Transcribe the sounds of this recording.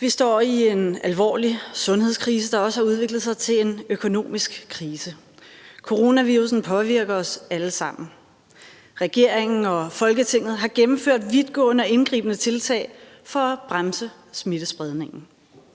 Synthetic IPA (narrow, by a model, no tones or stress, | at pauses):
ʋisd̥ɒ̰ːie̝nælʋɒ̰ːlisɔ̽nɦe̝ð̰ˠskʰʁiːs̬əd̥ɑ̈ɒ̽səhɑ̈uð̞ˠʋe̝ɡ̥lð̞̩ˠs̬ɑ̈ɪt͡sʰe̝le̝nøkʰo̝no̝̰ːmisɡ̥kʰʁiːsə | kʰo̝ʁo̝næʋiːʁusn̩pʰɒ̽ʋiɐɡ̥ɐɒ̽sæləsɑ̈m̰n̩ | ʁɛɡ̥e̝ɐ̰eŋn̩ɒ̽fɒ̽lɡ̥ət͡sʰe̝ŋ̰ð̞̩ˠɦɑ̈ɡ̥emm̩føɐ̰d̥ʋiðˠɡ̥ɔ̰̽ːnəɒ̽e̝nɡ̥ʁḭːb̥ənət͡sʰe̝lt͡sʰɛ̰ːɪ | fɒ̽æb̥ʁamsə | smid̥əsb̥ʁɛð̞ˠne̝ŋn̩